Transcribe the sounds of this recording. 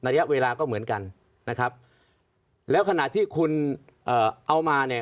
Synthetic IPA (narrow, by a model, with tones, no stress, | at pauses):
n˧a˧ja˦˥ʔweː˧laː˧kɔː˥˩mɯ˩˦ənka˧nː | a˦˥kʰɾa˦˥p̚ | lɛː˦˥wkʰa˧na˨˩t̪ʰːiː˥˩kʰu˧n | ʔɤː˨˩ʔa˧wmaː˧ni˥˩